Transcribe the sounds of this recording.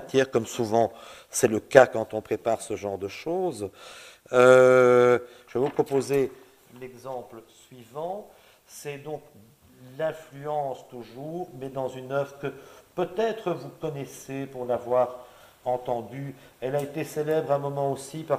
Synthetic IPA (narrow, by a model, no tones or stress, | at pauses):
t̪jɛʁkɔmsuvɑ̃sɛləkakɑ̃t̪ɔ̃pχepaʁsəʒɑ̃ʁd̪əʃoːz | ø | ʒ̥əvɛvupχɔpoze | lɛɡzɑ̃plsɥivɑ̃ | sɛd̪ɔ̃k | lɛ̃flyɑ̃st̪uʒuːʁmɛd̪ɑ̃zynœvʁəkəpøt̪ɛt̪χəvukɔnɛsepuʁlavwaʁ | ɑ̃t̪ɑ̃d̪yɛlaet̪eselɛbʁɛ̃mɔmɑ̃osipa